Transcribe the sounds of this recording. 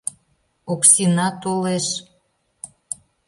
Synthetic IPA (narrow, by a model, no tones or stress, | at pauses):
oksinɑt̪oleʃ